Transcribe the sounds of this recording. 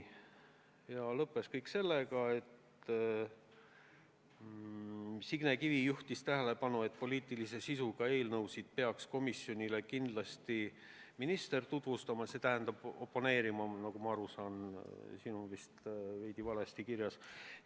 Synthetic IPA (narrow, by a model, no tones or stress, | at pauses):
jɑlɤpːˑe̞skɤjkse̞lːeɡɑe̞t̪ | siɡ̥nekivijuht̪ist̪æɦæle̞pɑnue̞t̪ːˑpo̞lʲiːt̪ˑilise̞sisuɡ̥ɑe̞ːlnɤwsid̪̥̚pe̞ɑksko̞misjo̞nʲile̞kind̪lɑst̪i | minist̪e̞rt̪ut̪vust̪ɑmɑse̞t̪æɦænd̪ɑb̥o̞pːo̞ne̞ːɾimɑnɑkɡumɑɑɾusɑːnsinuvist̪ve̞jd̪ivɑlest̪ikirjɑs